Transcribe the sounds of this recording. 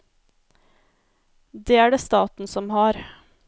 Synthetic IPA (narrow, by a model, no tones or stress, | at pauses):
d̪eːæːɖeːst̪ɑːt̪n̩sɔmhɑːɾ